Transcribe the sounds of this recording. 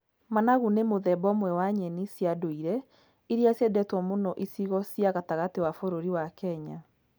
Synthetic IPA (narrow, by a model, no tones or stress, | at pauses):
manaɣunemoðɛbɔmwɛwaɲɛnisjadoiɾɛ | iɾiasjɛdɛtwɔmonɔʔisiɣɔsjaɣataɣatiwafoɾoɾiwakɛɲa